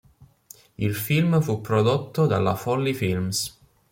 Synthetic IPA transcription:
ilfilmfupːɾod̪ot̪ːod̪alːafɔlːifilms

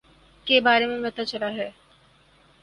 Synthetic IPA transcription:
kebaːɾemẽmɛt̪at͡ʃɐlaɦɛː

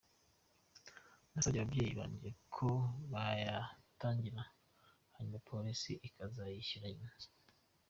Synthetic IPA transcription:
nasaɟaβabɟejiβa̰ːɲɟiekʰoβajataːɲɟiɾa | haɲumapʰo̞ɾisiʔikʰazajiʃiɾajinzi̥

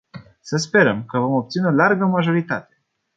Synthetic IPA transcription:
səspe̞ɾəmkəvo̞mo̞p̚t̪sinolarɡəmaʒo̞ɾit̪a̰t̪e̞

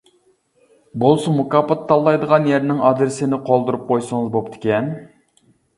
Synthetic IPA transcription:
bolˠsumukɑpɑt̪ʰːɑlˠːɑjd̪əʁɑnjɛɾnɪŋɑd̪ɾɪsɪnɪqʰolˠd̪uɾup̚qʰojsəŋɨzbop̚t̪ʰɪ̥kʲʰɛn

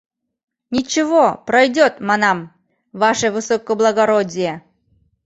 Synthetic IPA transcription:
nʲit͡ɕɪvopɾɐjdʲot̪manɑm | vaʂəvɨsokːəblˠɐɡɐɾodʲɪjə

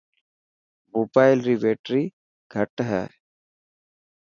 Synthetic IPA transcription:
bubaːɪlɾiʋeːʈɾiː | ɡ̥ʱəʈɦɛ̰ː

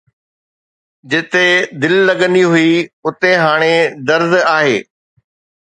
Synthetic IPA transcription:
d͡ʑɪt̪ed̪ɪlːɐɠə̃nd̪iɦʊiʊt̪eɦaːɽ̃ed̪ɐɾd̪aːɦeː

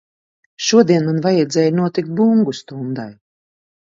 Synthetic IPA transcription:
ʃuɔd̪iɛnmanvajɛd̪zʲɛːjnuɔt̪ik̚t̪̚buŋɡust̪und̪aj

